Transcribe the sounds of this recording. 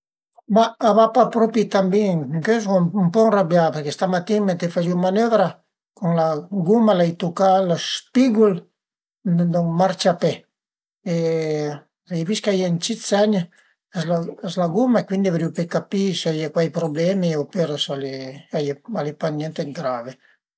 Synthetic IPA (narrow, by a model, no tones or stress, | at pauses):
baːβapapɾopit̪ambiŋŋkøsɡomumpɔnrabjapeɾkest̪amat̪imet̪efad͡ʒimanøvɾa | kuŋlaɡumalajt̪ukalospiɡul | d̪maɾt͡ʃape | e | lajviskajant͡ʃit͡sɛɲ | aslaazlaɡumaekwind̪iavɾiupekapiseajakwajpɾoblɛmiwpeɾasaleajealepanjɛnt̪eɡɾave